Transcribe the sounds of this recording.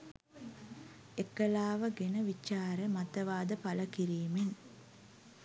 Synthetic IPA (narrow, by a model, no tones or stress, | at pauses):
ekːəlaːʋəɡenəʋit͡ʃːaːɾəmat̪əʋaːd̪əpaləkiɾiːmen